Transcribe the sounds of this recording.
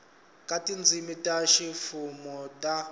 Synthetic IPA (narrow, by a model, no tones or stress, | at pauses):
kʼatʼind͡zʱimitʼaʃifumɔtʼa